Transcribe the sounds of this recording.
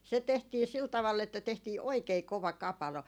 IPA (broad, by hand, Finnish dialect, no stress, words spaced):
se tehtiː sil tɑʋɑlː etːæ tehtiː oikei koʋɑ kɑpɑlo